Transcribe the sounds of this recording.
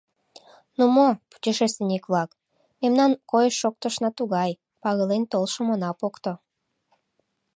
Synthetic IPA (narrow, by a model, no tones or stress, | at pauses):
numopu̥t͡ɕeʃest̪enikβlˠɑk | memnɑnkojəʃːok̚t̪əʃnɑt̪uɣɑj | pɑɣɤlent̪olʃomonɑpokt̪o